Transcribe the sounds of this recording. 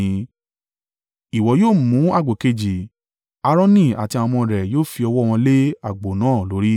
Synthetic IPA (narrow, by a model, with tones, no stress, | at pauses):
i˨wɔ˨˦joː˦˨mũ˨˦a˦˨ɡ͡bo˨ke˧˨d͡ʒi˨ | a˧ɾ̃ɔ̃˦nĩ˦˨a̰˨ti˧a˧m̃ɔ̃˧ɾɛ˨joː˦˨fi˧ɔ˧wɔ˦˧w̃ɔ̃˧le˦a˦˨ɡ͡bo˨nãː˦˨lo˨˦ɾi˦